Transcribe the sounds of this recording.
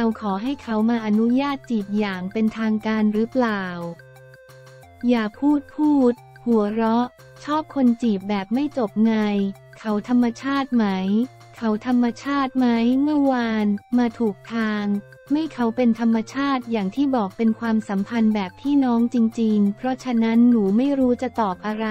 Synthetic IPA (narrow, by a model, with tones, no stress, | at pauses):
ɾa˧wkʰɔː˩˦ɦa˥˩jkʰa˦˥wmaː˧ʔa˧nu˦˥jaː˥˩t̪̚t͡ɕiː˨˩p̚jaː˨˩ŋpe˧nt̪ʰaː˧ŋkaː˧nɾɯ˦˥plaː˨˩w | jaː˨˩pʰuː˥˩t̪̚pʰuː˥˩t̪̚ | hu˩˦ɐɾɔ˦˥ʔ | t͡ɕʰɔː˥˩p̚kʰo˧nt͡ɕiː˨˩p̚bɛː˨˩p̚ma˥˩jt͡ɕo˨˩p̚ŋa˧j | kʰa˦˥wt̪ʰa˧mːa˧t͡ɕʰaː˥˩t̪̚ma˦˥j | kʰa˦˥wt̪ʰa˧mːa˧t͡ɕʰaː˥˩t̪̚ma˦˥jmɯ˥˩waː˧nmaː˧t̪ʰuː˨˩k̚t̪ʰaː˧ŋ | ma˥˩jkʰa˦˥wpe˧nt̪ʰa˧mːa˧t͡ɕʰaː˥˩t̪̚jaː˨˩ŋt̪ʰiː˥˩bɔː˨˩k̚pe˧nkʰwaː˧msa˩˦mpʰa˧nbɛː˨˩p̚t̪ʰiː˥˩nɔː˦˥ŋt͡ɕi˧ŋt͡ɕi˧ŋpʰɾɔ˦˥t͡ɕʰa˧˥na˦˥nːuː˩˦ma˥˩jɾuː˦˥t͡ɕa˨˩t̪ɔː˨˩p̚ʔa˧ɾa˦˥